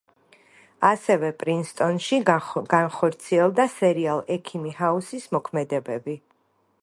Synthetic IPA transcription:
asɛvɛpʼɾinst̪ʼɔnʃiɡ̥anχɔɾt̪sʰiɛlˠd̪asɛɾialˠɛkʰimihausismɔkʰmɛd̪ɛbɛbi

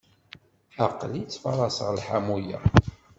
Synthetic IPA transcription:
ɑqlit͡sːfɑɾˤɑsəʁlħamujæ̰

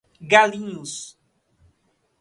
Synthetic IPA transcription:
ɡalĩɲʊs

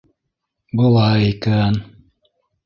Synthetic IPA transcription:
bulˠɑjikæn

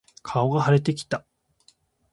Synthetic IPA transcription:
kʰao̞ɡahaɾe̞t̪e̞kʲi̥t̪a

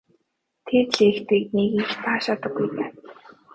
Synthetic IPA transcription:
t̪ʰeːt̪ɮiːxt̪iːkniːɣiŋxpaːʃaːt̪ə̆ɡːujpaː

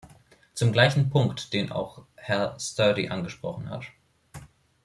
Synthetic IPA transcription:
t͡sʊmɡlaɪçn̩pʰʊŋktd̥eːnʔa̰ʊxhɛɐstœːdḭʔanɡəʃpʁ̥ɔχn̩ha̰t

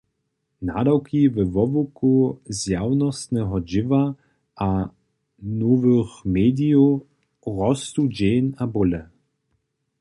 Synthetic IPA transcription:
na̰dawkʰivɛvɔvukuzjawnɔst̪nɛɦɔd͡ʑɪva | ʔa | novəxmeːd̪iu | ʁɔst̪ud͡ʑeːnabʊlɛ

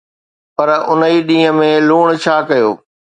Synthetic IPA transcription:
pɐɾʊniɗĩːɦə̆mẽluːɽ̃t͡ɕʰaːkɐjoː

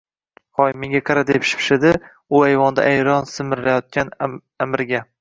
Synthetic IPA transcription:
hɒjmeŋʲɡʲaqʰɑɾad̪epʃɪ̥pʰʃɪd̪ɪ | ʊajvɒnd̪a̰ʔajɾɒnsɪmɪɾlajɒt̪̚kʲan | amɪɾɡʲa

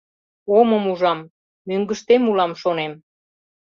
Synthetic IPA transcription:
oməmuʒɑmː | yŋɡəʃt̪emulɑmʃonem

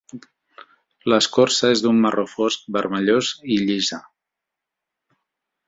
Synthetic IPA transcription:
ləskoɾsəezðumːərʔofosk̚bəɾməʎoziʎizə

